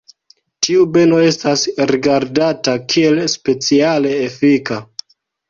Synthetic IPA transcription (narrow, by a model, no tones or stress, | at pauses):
tʰiube̞no̞e̞stasɾiɡaɾdatakʰie̞lspe̞t͡siale̞ːfika